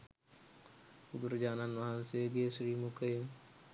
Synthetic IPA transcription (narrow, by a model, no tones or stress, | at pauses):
ʊd̪ɾd͡ʒaːnanʋɐɦãnseɡeːsɾiːmukəe